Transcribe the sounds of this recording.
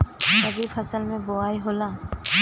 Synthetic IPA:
əbipʰəsəlmẽboaːiɦolãː

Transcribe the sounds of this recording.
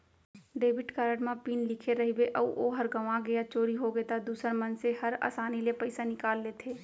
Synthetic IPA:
ɖeːbɪʈkaːɾəɽmãpiːnlɪkʰeɾɐɦibeʔɐuʔoɦɐɾɡɐʋãɡɐjat͡ʃoːɾiɦoɡet̪ad̪uːsəɾmɐnsehɐɾa̰ːsaːnilepɐɪsanɪkaːlːeːt̪ʰeː

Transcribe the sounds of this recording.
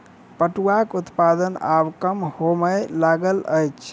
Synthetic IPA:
pəʈuakut̪pad̪ənabkəmhoməlaɡələjt͡ʃʰ

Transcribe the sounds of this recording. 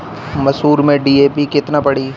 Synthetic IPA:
mɐsɦuːɾmẽɖiːeːpikɪt̪napɐɽiː

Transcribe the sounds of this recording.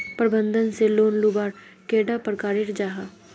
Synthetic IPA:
pɾbənd̪ənseːloːnlubaːɾ | keːɖaːpəɾkaːɾɪʈd͡ʒaːɦaː

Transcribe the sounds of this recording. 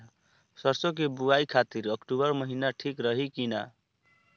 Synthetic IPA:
sʌɾsok̬ebuaikʰat̪iɾʌkʈubʌɾməɦinaʈʰikɾʌɦikina

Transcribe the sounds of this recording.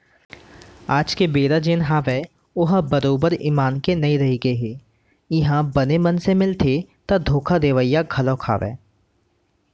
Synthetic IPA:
aːd͡ʒkebeːɾad͡ʒeːnɦaːʋɛː | ʊɦbɐɾoːbəɾḭːmaːnkenɐĩɾɐɦiɡɐeɦeː | ɪɦãbɐnemɐnsemɪlt̪ʰet̪ad̪ʱoːkʰad̪eːʋəijaɡʱɐlõkʰa̰ːʋɛ̰ː

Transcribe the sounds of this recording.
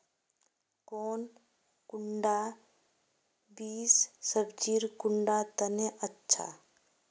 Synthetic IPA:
kɔːn | kʊɳɖa | biːsːəbd͡ʒiːɾkʊɳɖat̪əneʔətːʃʰa̰

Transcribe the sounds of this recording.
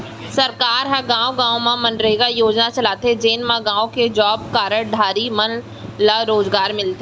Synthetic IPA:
sɐɾkaːɾɦɐɡãːwɡãːõmãmɐnɾɐɦeɡajoːd͡ʒnat͡ʃɐlaːt̪ed͡ʒeːnmãɡãːõked͡ʒɔːb̚kaːɾəɽɖʱaːɾimɐn | laɾoːzɡaːɾmɪlt̪e

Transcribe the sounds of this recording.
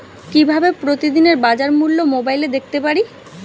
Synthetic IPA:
kibʱabepɾot̪id̪ineɾbad͡ʑaɾmulːomobajled̪ek̚ʰt̪epaɾi

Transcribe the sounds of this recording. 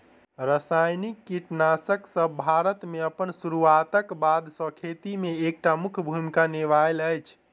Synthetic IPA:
ɾəsajnikːiʈnasəksəbbʱaɾət̪meəpənsuɾuat̪əkbad̪sə̃kʰet̪imeːk̚ʈamukʰbʱumikaneʋaləjt͡ʃʰ

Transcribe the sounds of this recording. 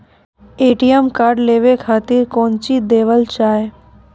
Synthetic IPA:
eːʈijəmkaɾɖleːʋekʰaːt̪iɾkõːnt͡ʃid̪eːʋəlt͡ʃaːe

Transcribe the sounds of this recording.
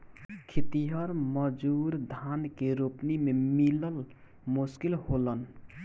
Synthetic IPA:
kʰit̪iɦəɾməd͡ʒuɾd̪ʱankeɾupnimemiləl | muskilholən

